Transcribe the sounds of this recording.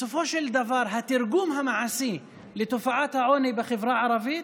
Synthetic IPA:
sʊfoːʃɪld̪avɑːɾˤɦat̪ɪɾɡuːmɦamaʕasiː | lɪt̪ʊfaʕat̪haʕoːnibaxɪvɾˤɑːʕɑɾˤɑviː

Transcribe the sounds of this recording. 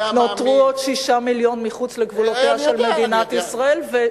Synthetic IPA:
notʁuod̪ʃiʃamiljo̞nmiχut͡sleɡvulot̪iaʃelmed̪inat̪isʁae̞lve

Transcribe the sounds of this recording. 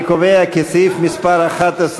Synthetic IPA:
kovejakesifmispaɾaχat̪as

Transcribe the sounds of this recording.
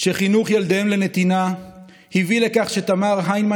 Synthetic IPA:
ʃeχinuχjald̪emlene̞t̪ina | hivile̞kaχʃet̪amaʁɦajnma

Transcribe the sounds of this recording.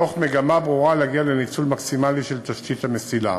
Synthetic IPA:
oχmeɡamabʁuʁaleaɡialenit͡sulmaksimaliʃelt̪aʃt̪it̪hamesila̰

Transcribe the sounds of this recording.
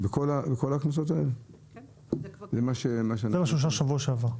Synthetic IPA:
vekolaveko̞laknasot̪aḛle | zemaʃemaʃezemaʃuʃ̬aʁʃavuaʃeavaʁ

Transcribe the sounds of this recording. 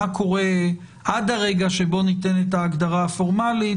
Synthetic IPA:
akʰo̞ʁe̞ | ʔad̪aʁe̞ɡaʃebo̞nite̞netaːɡd̪aʁafo̞ʁmali

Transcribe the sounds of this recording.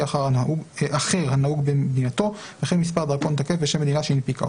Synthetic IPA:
aχaʁaaʔuʔaχeʁhanauɡbemed̪inat̪o̞beaχenmispaʁd̪aʁko̞nt̪akefbeʃemːed̪inaʃeinepika̰o̰

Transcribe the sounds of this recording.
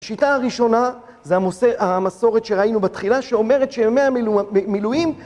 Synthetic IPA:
aʃitaːʁiʃo̞na | zeaoseamaso̞ʁe̞tʃeʁainubatχilaʃeo̞me̞ʁe̞t̪ʃeme̞amilujim

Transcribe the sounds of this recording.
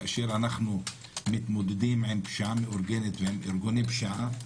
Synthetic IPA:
ʔaʃeɾʔanaχnu | mɪt̪mod̪ed̪imʕenpʃaʕameʔoɾɡenet̪veʕemʔeɾɡonipʃaʕa

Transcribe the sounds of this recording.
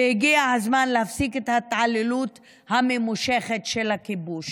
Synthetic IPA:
hiɡiahazmanlehafsiket̪hat̪ʕalelut̪ | hamemuʃeχetʃelhakibuʃ

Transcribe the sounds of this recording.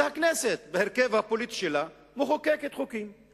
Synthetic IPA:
hakneset̪beheʁkevhapolit̪i̥ʃela | muχokeket̪χukim

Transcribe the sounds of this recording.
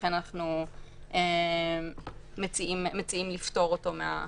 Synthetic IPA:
enanaχnuʔe | mːet͡siimːet͡siimlifto̞ʁoto̞mea̰

